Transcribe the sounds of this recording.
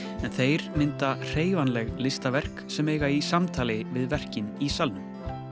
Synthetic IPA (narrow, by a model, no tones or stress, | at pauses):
ɛnθejɾmɪnt̪ar̥eːjvanlɛɣlɪst̪avɛr̥ksɛmejɣaisamt̪ʰaːlɪvɪðvɛr̥cɪnisalnʏm